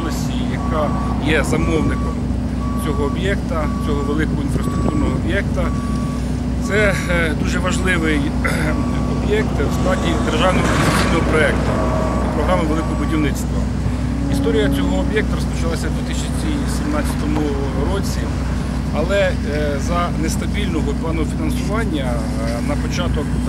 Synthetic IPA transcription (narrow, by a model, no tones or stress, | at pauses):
lˠɐsʲijɐkɑ | jɛzɐmɔwnɪkɔm | t͡sʲɔɦɔːbjɛkt̪ɐ | t͡sʲɔɦɔʋelˠɪkɔɦɔinfɾɐst̪ɾʊk̚t̪urnɔɦɔːbʲjɛkt̪ɐ | t̪sɛ | d̪uʒɛʋɐʒlˠɪʋɪj | ɔbʲjɛk̚t̪wst̪ˠɑdʲid̪erʒɑwnɔɦɔknɐijnɔɦɔpɾɔɛkt̪ʊ | ipɾɔɦɾɑmɪʋelˠɪkɔɦɔbʊdʲiwnɪtst̪ʋɐ̰ | ist̪ɔɾʲijɐt͡sʲɔɦɔːbjɛk̚t̪ɐɾɔspɔt͡ʃɐlˠɑsʲɐd̪ʲʋʲit̪ɪsʲ | i | sʲimnɑt͡sʲːɐ̥t̪ɔmʊ | ɾɔt͡sʲi | ɐlˠɛ | zɐnest̪ɐbʲilʲnɔɦɔplˠɑnɔɔfʲinɐnsʊʋɑnʲːɐ | nɐpɔt͡ʃɑt̪ɔk